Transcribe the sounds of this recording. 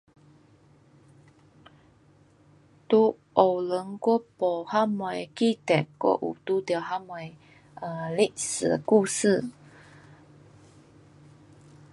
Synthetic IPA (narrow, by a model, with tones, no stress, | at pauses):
t̪u˦ | ʔo˨wlə˨˦ŋkɔ˦pɔ˨ha˦ma˨˩jki˦t̪ɛ˨kːɔ̰˦ʔṵ˨t̪u˦d̪ɛ˨ɦa˦ma˨j | ə˨li˦ʔsə̰˨ku˦˧sɨ˥˧˨